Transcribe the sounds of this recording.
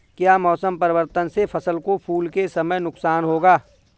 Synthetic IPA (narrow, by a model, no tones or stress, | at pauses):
kjaːmɔːsəmpɐɾɪwəɾt̪ənsefʰɐsəlkopʰuːlkesɐməjnʊksaːnɦoːɡaː